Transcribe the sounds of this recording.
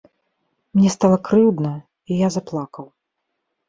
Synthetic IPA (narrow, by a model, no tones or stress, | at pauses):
mnʲɛst̪alˠɐkɾɨwd̪nɐ | ijazaplˠakɐw